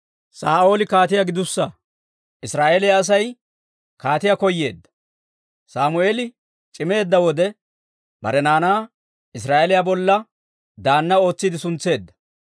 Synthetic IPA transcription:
saːʔo̞ːlɪkaːt̪ɪjaɡɪd̪ʊsːɐ | ɪsɾaːʔelɪjaːs̬ɐj | kaːt̪ɪjakɔjːe̞ːd̪ːɐ̥ | saːmʊeːlɪ | t͡ʃʼɪme̞ːd̪ːɐwɔd̪ɛ | bɐ̰ɾɛnaːnaː | ɪs̬ɾaːʔelɪjabɔlːɐ | d̪aːnːɐo̞ːt͡sːid̪ɪsʊnt͡sːe̞ːd̪ːɐ̥

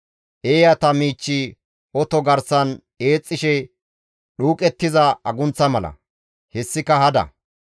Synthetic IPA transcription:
ʔeːjɐt̪ɐmiːt͡ʃːi | ʔɔt̪ɔɡɐɾsɐn | e̞ːt͡sʼːɪʃɛ | ɗuːkʼɛt̪ːɪzɐɐɡʊnt͡sːɐmɐlɐ̰ | hɛsːɪkɐhɐd̪ɐ̰

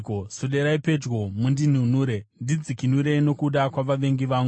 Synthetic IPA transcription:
kosoɗe̞ɾaipe̞d͡ʒɡo̞mundin̤unuːɾe̞ndid͡zikinuɾe̞no̞kuɗakwaʋaʋe̞ŋɡiʋaːŋɡu

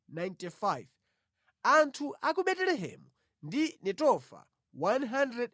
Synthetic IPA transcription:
najntifajv | antʰuʔakuɓɛtɛlɛɦɛ̰mu | ndinɛtɔfa̰ | wanɦandɾɛd

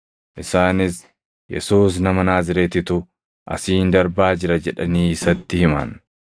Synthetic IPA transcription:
ʔɪsaːnɪs | jɛ̰suːs̬nɐmɐnaːzɪɾeːt̪ɪt̪ʊ | ʔɐ̰siːnd̪ɐɾbaːd͡ʒɪɾɐd͡ʒɛᶑɐniːɪsɐt̪ːɪhɪma̰n

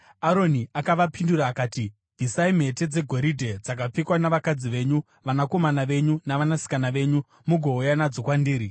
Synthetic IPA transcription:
aɾo̞niakaʋapinduɾaːkaːti | vʱisaim̤e̞te̞d͡ze̞ɡʱo̞ɾidʱe̞d͡zak̬ap͡fikwanaʋakad͡ziʋe̞ɲu | ʋanako̞manaʋe̞ɲunaʋanasi̥kanaʋe̞ɲu | muɡʱo̞ujanad͡zo̞kwandiːɾi

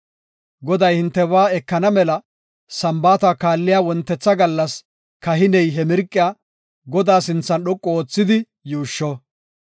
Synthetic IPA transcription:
ɡɔd̪ɐjhɪnt̪ːɛwaːɛkːɐnɐmɛlɐ | sɐmbaːt̪akaːlːɪjaːwɔnt̪ːɛt͡sːɐɡɐlːɐs | kɐɦɪnɛjɦɛmɪɾkʼːɪjaː | ɡɔd̪aːsɪnt͡sːɐnɗɔkʼːɔoːt͡sːɪd̪ɪ | juːʃːɔ

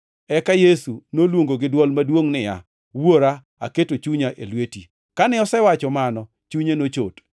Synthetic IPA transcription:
ɛkajesunolwoŋɡoɡɪdwɔlmadwoŋnɪja̰ | woɾa | a̰ketot͡ʃuɲaʔelweti | kanɪɔsɛwat͡ʃɔmanɔ | t͡ʃuɲenot͡ʃot

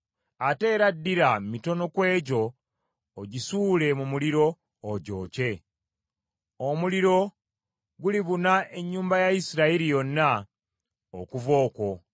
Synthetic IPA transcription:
ate̞ːɾadːiɾamito̞no̞kwe̞ːɟo̞ː | ɟisuːle̞mumuliɾo̞ː | ɟo̞̰ːce̞ | omuliɾo̞ | ɡuliβunaʔe̞ɲːuːmbajaisiɾaiɾijo̞nːa | o̰kuvo̞ːko̞

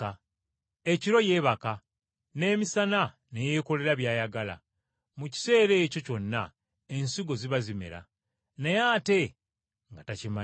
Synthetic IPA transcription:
eciɾo̞je̞ːβaka | ne̞ːmisana | neje̞ːko̞le̞ɾaβjaːjaɡala̰ | muci̥se̞ːɾe̞ːco̞co̞nːa | e̞nsiɡo̞ziβazimḛɾa̰ | nejaːte̞ | ŋɡatacima

